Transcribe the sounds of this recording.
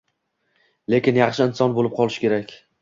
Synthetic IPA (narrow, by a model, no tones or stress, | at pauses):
le̞kʲɪnjɑχʃɪɪnsɒnbolɪp̚qʰɒlˠɪʃkʲe̞ɾakʲ